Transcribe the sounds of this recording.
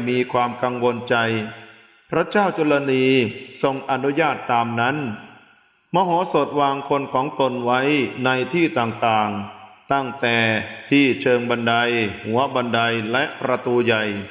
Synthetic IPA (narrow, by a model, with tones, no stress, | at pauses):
miː˧kʰwaː˧mka˧ŋwo˧nt͡ɕa˧j | pʰɾa˦˥t͡ɕaː˥˩wt͡ɕo˧la˧niː˧so˧ŋʔa˧nu˦˥jaː˥˩t̪ːaː˧mna˦˥n | mɔː˧ɦɔː˩˦so˨˩t̪̚waː˧ŋkʰo˧nkʰɔː˩˦ŋt̪o˧nwa˦˥jna˧jt̪ʰiː˥˩t̪aː˨˩ŋt̪aː˨˩ŋt̪a˥˩ŋt̪ɛː˨˩t̪ʰiː˥˩t͡ɕʰɤː˧ŋba˧nda˧jhu˩˦ɐba˧nda˧jlɛ˦˥ʔpɾa˧t̪uː˧ja˨˩j